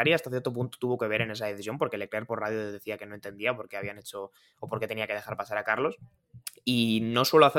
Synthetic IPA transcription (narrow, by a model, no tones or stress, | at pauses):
aɾiast̪aθje̞ɾt̪o̞p̬unt̪o̥t̪uβo̞ke̞β̞e̞ɾe̞ne̞saðeθisjo̞mpo̞ɾkele̞kleɾpo̞ɾraðjoðe̞θiake̞no̞e̞nt̪e̞nd̪iapo̞ɾke̞aβiane̞t͡ʃo̞ː | poɾke̞t̪eniake̞ð̞e̞xaɾpasaɾakaɾlo̞s | ino̞swe̞loaθe